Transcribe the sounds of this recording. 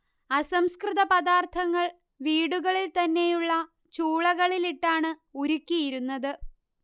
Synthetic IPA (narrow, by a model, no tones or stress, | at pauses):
ɐsɐmskrɨðɐpɐðaːrt̪ʰɐŋːɐɭ | ʋiːɽuɣɐɭilt̪ɐnːe̞juɭːɐ | t͡ɕuːɭɐɣɐɭiliʈːaːɳɨuɾukʲːijiɾunːɐðɨ